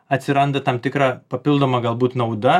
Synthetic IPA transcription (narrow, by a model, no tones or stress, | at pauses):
ɐt̪ʲsʲɪɾɐnd̪ɐt̪ɐmt̪ʲɪkɾɑːpɐpʲɪlˠd̪oːmɐɡɐlˠbuːt̪nɐʊd̪ɐ